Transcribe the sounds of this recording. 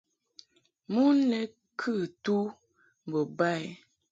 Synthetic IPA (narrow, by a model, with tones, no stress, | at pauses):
mu˦nɛ˦ | kʰɨ˦˨tu˦ | m˨bo˨ba˦˨ɛ˦